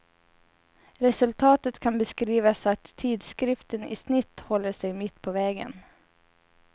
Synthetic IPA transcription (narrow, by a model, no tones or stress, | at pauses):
ɾɛsɵlt̪ʰɑːt̪ət̪kʰanbɛskɾiːvasat̪ʰːiːd̪skɾɪft̪ənɪ̰snɪt̪ːhɔlːəʂɛjmɪt̪ːpʰɔvɛːɡə̰n